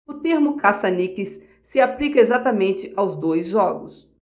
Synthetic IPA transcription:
ʊt̪eɾmʊkasɐnikɪsː | ɪaplikɐezat̪ɐmẽnt͡ʃɪʔawzd̪ojzʒɔɡʊ̰s

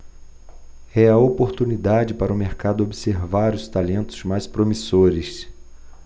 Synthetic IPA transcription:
ɛɐopoɾt̪unid̪ad͡ʒɪpaɾʊmeɾkad̪ʊobiseɾvaɾʊst̪alẽnt̪ʊ̥zmajspɾomisoɾɪs

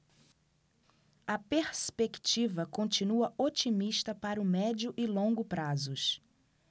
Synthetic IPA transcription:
ɐpeɾspekt͡ʃivɐkõnt͡ʃinuɐot͡ʃimiʃt̪ɐpaɾʊmɛd͡ʒʊʔɪlõŋɡʊpɾazʊs

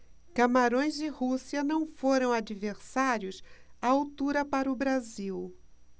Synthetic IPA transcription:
kamaɾõj̃zd͡ʒɪhusiɐnɐ̃w̃foɾɐ̃w̃ad͡ʒiveɾsaɾjʊsaawt̪uɾɐpaɾʊbɾaziw

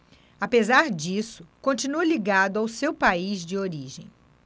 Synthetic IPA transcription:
apezaɾd͡ʒisʊ̥kõnt͡ʃinuɐliɡad̪ʊawsewpaizd͡ʒɪoɾiʒḛ̃j̃

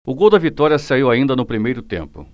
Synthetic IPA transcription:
ʊɡowd̪ɐvit̪ɔɾiɐsaiwaĩnd̪ɐnʊpɾimejɾʊt̪ḛ̃mpʊ̰

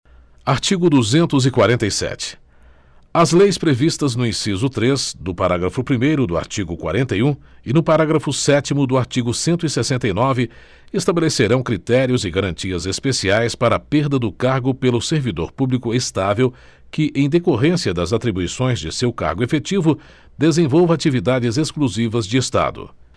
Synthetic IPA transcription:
aɾt͡ʃiɡʊd̪uzẽnt̪ʊzɪkwaɾẽnt̪ɐjsɛ̰t͡ʃɪ̥ | ɐzlejspɾevist̪ɐznʊĩsizʊt̪ɾeznʊpaɾaɡɾɐfʊpɾimejɾʊd̪ʊa̰ɾt͡ʃiɡʊkwa̰ɾẽnt̪ɐjũɪnʊpaɾaɡɾɐfʊsɛt͡ʃimʊd̪ʊaɾt͡ʃiɡʊsẽnt̪ʊisesẽnt̪ɐjnɔvɪ | est̪abeleseɾɐ̃w̃kɾit̪ɛɾiʊzɪɡaɾɐ̃nt͡ʃiɐzespesiajspaɾɐpeɾd̪ɐd̪ʊkaɾɡʊpelʊseɾvid̪o̰ɾpublikʊest̪avew | kɪʔẽj̃d̪ekoɦẽsiɐd̪ɐzat̪ɾibuisõj̃zd͡ʒɪsewka̰ɾɡʊefet͡ʃivʊ | d̪ezẽvowvɐat͡ʃivid̪ad͡ʒɪzeskluzivɐzd͡ʒɪest̪a̰d̪ʊ̰

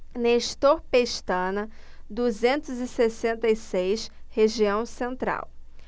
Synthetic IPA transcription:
neʃt̪oɾpeʃt̪ɐ̃nɐ | d̪uzẽnt̪ʊzɪsesẽnt̪ɐisejʃheʒiɐ̃w̃sẽnt̪ɾa̰w

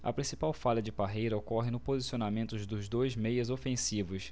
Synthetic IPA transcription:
ɐ̰pɾĩsipawfalɐd͡ʒɪpaɦejɾɐokɔɦɪnʊpozisionamẽnt̪ʊzd̪ʊzd̪ojzmejɐzofẽsivʊs

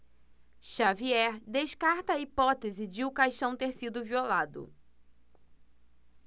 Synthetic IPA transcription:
ʃaviɛɾd̪eʃkaɾt̪ɐːipɔt̪ezɪd͡ʒɪʊkajʃt̪ɐ̃w̃t̪eɾsid̪ʊviolad̪ʊ̰

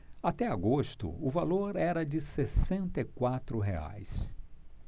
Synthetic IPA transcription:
at̪ɛaɡost̪ʊ̰ʊvaloɾɛɾɐd͡ʒɪsesẽnt̪ɐikwat̪ɾʊɦea̰js

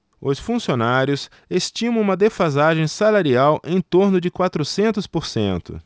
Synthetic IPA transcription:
ʊsfũsionaɾjʊs | est͡ʃĩmɐ̃ũmɐd̪efazaʒẽj̃salaɾiawʔẽj̃t̪oɾnʊd͡ʒɪkwat̪ɾʊsẽnt̪ʊspoɾsḛ̃nt̪ʊ̰

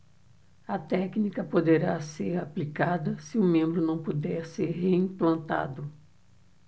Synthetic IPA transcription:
ɐt̪ɛknikɐpod̪eɾaseɾaplikad̪ɐsɪʊmẽmbɾʊnɐ̃w̃pud̪ɛɾseɾɦeĩplɐ̃nt̪a̰d̪ʊ

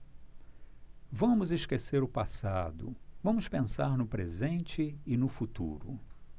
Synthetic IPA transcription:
vɐ̃mʊzɪskeseɾʊpasad̪ʊ̰vɐ̃mʊspẽsaɾnʊpɾezẽnt͡ʃɪɪnʊfut̪ṵɾʊ̰

